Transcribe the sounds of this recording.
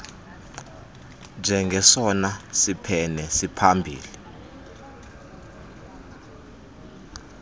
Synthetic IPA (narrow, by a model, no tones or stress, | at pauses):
nd͡ʒʱɛŋɡʱɛsɔnasipʰɛnɛsipʰambʱḭːli